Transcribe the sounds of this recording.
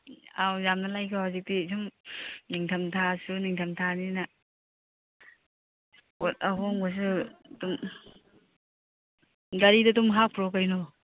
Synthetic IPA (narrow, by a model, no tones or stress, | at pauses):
awzamnalajkʰɔhawzik̚disʰumniŋtʰɐmtʰasuniŋtʰamtʰanina | ɔt̚ɐɦɔŋbas̬utum | ɡaɾidɐtumɦak̚pʰɾɔkajnɔ